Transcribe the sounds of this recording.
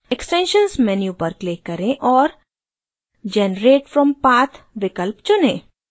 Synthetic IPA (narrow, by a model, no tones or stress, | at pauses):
eksʈɛ̃nʃə̃nzmɛnjupəɾkleːkɐɾẽʔɔːɾ | d͡ʒɛnɾeːʈfɾɔ̃mpaːt̪ʰʋɪkəlpt͡ʃʊnẽː